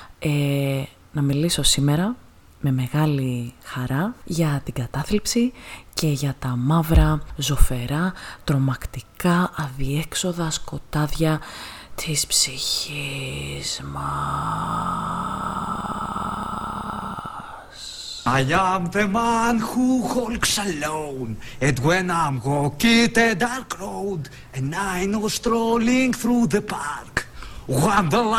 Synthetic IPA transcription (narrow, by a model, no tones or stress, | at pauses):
e | nɐmiliso̞sime̞ɾɐ | me̞me̞ɣɐlixɐɾɐʝɐt̪iɡɐt̪ɐθlipsice̞ʝɐt̪ɐmɐvɾɐzo̞fe̞ɾɐt̪ɾo̞mɐkt̪ikɐɐðie̞kso̞ðɐsko̞t̪ɐðʝɐt̪ʰispsiçiz̥mɐ | s | ajamðemanxuxolksalownɛt̪wɛnamɣokit̪ed̪aɾkɾowd | ɛ̃najnost̪ɾoliŋkθɾuðəpaɾkwamðəl